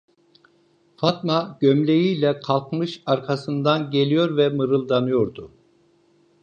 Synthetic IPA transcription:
fat̪maɟ̥ømlʲejiːjlʲɛkʰalˠkmɯʃaɾkʰasɯnd̪anɟe̞lʲijo̞ɾvɛmɯɾɯlˠd̪anɯjo̞ɾd̪ʊ

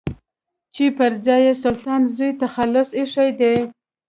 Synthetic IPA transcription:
t͡ʃipəɾzɑjesʊlt̪ɑnzujt̪axalʊsiʂajd̪e

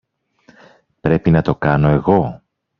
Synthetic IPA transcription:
pɾe̞pinɐt̪o̞kɐno̞e̞ɣo̞

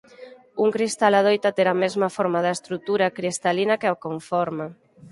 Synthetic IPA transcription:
uŋkɾist̪alað̞ojt̪at̪eɾamɛzmɐfɔɾmaðaest̪ɾut̪uɾakɾist̪alinakeakoɱfɔɾma

